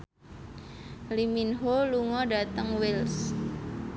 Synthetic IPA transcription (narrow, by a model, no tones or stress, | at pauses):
liminɦoluŋɔdat̪əŋwels